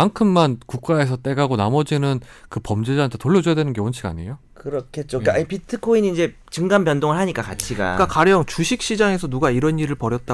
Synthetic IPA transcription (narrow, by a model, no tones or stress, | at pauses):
aŋkʰɯmːankuk̚k͈ae̞sʰʌt͈e̞ɡaɡonamʌd͡ʑinɯnkɯpʌmd͡ʑed͡ʑaantʰetoɭːʌd͡ʑujadwe̞nɯnɡe̞ont͡ɕʰiɡa̰ɲḛjokɯɾʌkʰet̚t͡ɕ͈okaipitʰɯkʰoiniːnd͡ʑe̞ | t͡ɕɯŋɡambjʌndoŋɯɭɦaɲik͈akat͡ɕʰiɡa̰kakaɾjʌŋt͡ɕuɕʰik̚ɕ͈id͡ʑaŋe̞sʰʌnuɡaiɾʌniɾɯɭpʌɾjʌt̚t͈a